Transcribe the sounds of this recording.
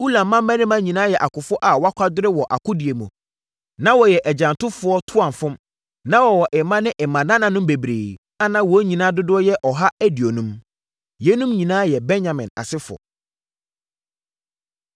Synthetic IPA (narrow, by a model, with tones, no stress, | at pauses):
u˦lã˨mːã˦mæ̃˦nɪ̃˦mã˦ɲĩ˨nãː˦jɛ˨ʔa˨kʊ˨fʊ˦ʔa˨wa˦kʷʰa˦dʊ˦ɾɪ˦wɔ˨ʔa˨kʰʊ˦dɪ˨e˨mũ˨ | nã˦wɔ˨jɛ˨ʔɛ˨d͡ʑã˨ntʊ˦fʊ˨˦ɔ˦tʰʊ˦ã˨m˨fʊ̃˦m | nã˦wɔ˨wɔ˨ʔɪ˨mã˦nɪ̃˦ʔɛ˨mã˨nã˦nã˨nʊ̃˦mbe˨bɾeː˨ | a˦nã˦wɔ˨˦ɲĩ˨nãː˦dʊ˦dʊ˦ɔ˦jɛ˦ʔɔ˨ɦa˦æ˦di˨o˨nũ˦m | jɛ˦nũ˦mɲĩ˨nãː˦jɛ˨bɛ̃˦nɲã˨mɪ̃˨na̰˨sɪ˦fʊ˨ɔ̰˨